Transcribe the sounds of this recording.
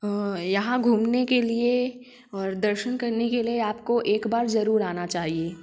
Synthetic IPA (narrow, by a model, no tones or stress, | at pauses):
jɐɦãɡʱuːmnekelie | ɔːɾd̪ɐɾʃənkɐɾnekelieaːpkoʔeːkbaːɾzɐɾuːɾaːnat͡ʃaːɦieː